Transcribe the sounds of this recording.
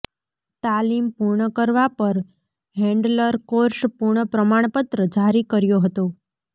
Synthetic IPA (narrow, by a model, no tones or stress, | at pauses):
t̪alimpuɾɳəkəɾʋapəɾ | ɦɛ̃ɳɖləɾkoɾʃpuɾɳəpɾəmaɳ̃pət̪ɾəd͡ʒaɾikəɾjoɦət̪o